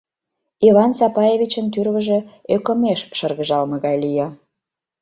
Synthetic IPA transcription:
ivɑnsɑpɑjevʲit͡ɕənt̪yrβəʒĕøkə̆meʃʃərɣə̆ʒɑlmɤ̆ɣɑjlijɑ

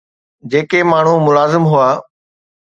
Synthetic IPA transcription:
d͡ʑeːkemaːɳ̤umʊlaːzɪmɦuaː

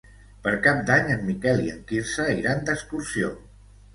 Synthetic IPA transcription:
pəɾkap̚d̪aɲəmːikɛliə̰ŋkiɾsəiɾand̪əksk̪uɾsio̰

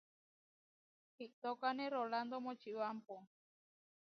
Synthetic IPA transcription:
hiʔt̪okaneroland̪omot͡ʃiwampo

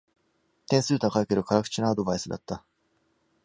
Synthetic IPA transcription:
t̪ẽsɨːt̪ãkaikeɾɯ̟kaɾakɯ̟̥t͡ɕinaːd̪o̞baisɨd̪a̰t̪ːa

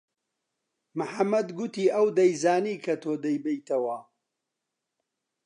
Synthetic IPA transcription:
mɨħɐmːɐd̪ɡʊt̪iːʔɐwd̪ɐjzaːniːkʰɐt̪ʰoːd̪ɐjbɐjt̪ʰɐwɐ

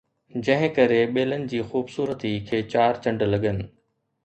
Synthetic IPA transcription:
d͡ʑɐ̃ɦɪ̃kɐɾeɓeːlənɪ̆d͡ʑiːxuːbsuːɾət̪ikʰeːt͡ɕaːɾt͡ɕɐ̃ɳɖlɐɠənɪ̆

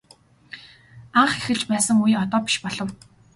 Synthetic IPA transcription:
aɴχexɘ̆ɮt͡ɕpæːsə̆ŋujɔt̪ɔːpi̥ʃpɔɮɞ̆w

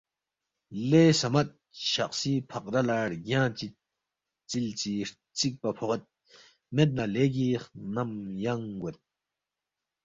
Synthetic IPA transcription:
leːsɐmɐt̪̚ɕɐχsipʰɐqd̪ɐlaːɽɡjãːt͡ɕit̪̚ | t͡silt͡siɾ | t͡sik̚pɐpʰoqet̪̚ | met̪̬̚naleːɡ̬iχnɐmjɐŋɡɐt̪̚

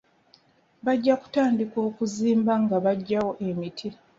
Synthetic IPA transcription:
βaɟːaku̥taːndiko̞ːkuziːmbaŋɡaβaɟːawo̞ʔe̞mitʰi

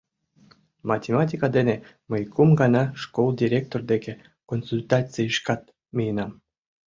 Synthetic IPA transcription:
mɑtʲemɑtʲikɑd̪ene | məjkʰumɡɑnɑʃkolˠdʲiɾʲek̚t̪ord̪eke | konsulʲt̪ɑt͡siiʃkɑt̪̚ | mʲijənɑm

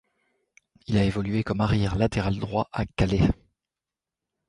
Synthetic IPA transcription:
ilaevɔlɥekɔmaʁjɛʁlat̪eʁald̪ʁwaʔakale

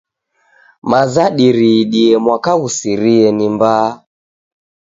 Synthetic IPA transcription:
mazaɗiɾiɗiɛmwakaɣusiɾiɛnimbaː

